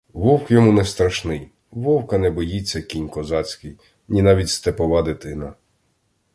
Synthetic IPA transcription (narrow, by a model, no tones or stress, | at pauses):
ʋɔwkjɔmunɛst̪ɾɐʃnɪj | ʋɔwkɐnɛbɔjit͡sʲːɐkʲinʲkɔzɑt͡sʲkɪj | nʲinɑʋʲitʲst̪epɔʋɑd̪et̪ɪnɐ